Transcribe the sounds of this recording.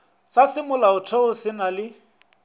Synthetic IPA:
sasɪmʊlaʊtʰeʊsɪnalɪ

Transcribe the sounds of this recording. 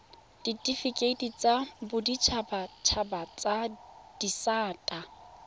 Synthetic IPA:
d̥itʼifikʼetʼit͡sʼabʊdit͡ʃʰabat͡ʃʰabat͡sʼad̥isaːtʼa

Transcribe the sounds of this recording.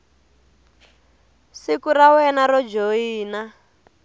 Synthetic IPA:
sikurawɛnaɾɔd͡ʒoiːna

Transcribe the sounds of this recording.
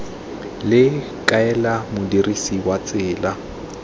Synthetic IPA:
lɪ | kʼaɛlamʊdirisiwat͡sʼɪːla

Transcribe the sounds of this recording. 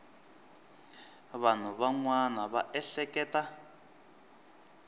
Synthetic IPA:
βan̤uβaŋwanaβaʔɛɬɛkɛːta

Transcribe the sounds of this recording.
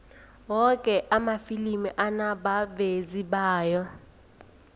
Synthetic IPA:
wɔkʼɛʔamafilimiʔanaɓaveziɓaːjɔ

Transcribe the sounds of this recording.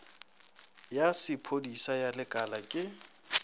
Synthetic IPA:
jasɪpʰodisajalɪkʼalakʼɪ

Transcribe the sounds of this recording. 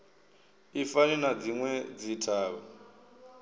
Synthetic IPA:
ifaninad͡ziŋwɛd͡zitʰaːβɔ

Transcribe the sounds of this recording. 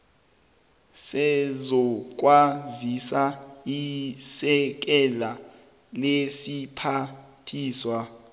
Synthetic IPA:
sɛzɔk̬ʼwazisaisɛk̬ɛla | lesipʰatʰiːswa

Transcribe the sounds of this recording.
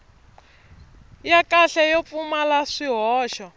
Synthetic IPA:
jakaɬɛjɔp̪fumalaʂiɦɔːʃɔ

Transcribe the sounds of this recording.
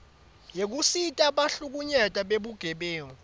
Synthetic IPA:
jek̬usitʼaɓaɬuk̬uɲɛtʼaɓeɓuɡ̥ʱɛɓeːŋɔ

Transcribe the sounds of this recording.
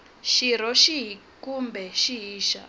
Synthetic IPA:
ʃiɾ̤ɔʃiɦi | kumbɛʃiɦiːʃa̰

